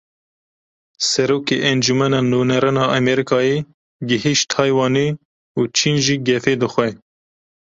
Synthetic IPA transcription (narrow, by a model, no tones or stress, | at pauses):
sɛɾoːkeʔɛnd͡ʒumɛnɑːnunɛɾɨnɑːʔɛmɛɾikɑːje | ɡɪɦiʃt̪ʰɑːjwɑːniː | uːt͡ʃʰiːnʒiːɡɛfeːd̪əxʷɛ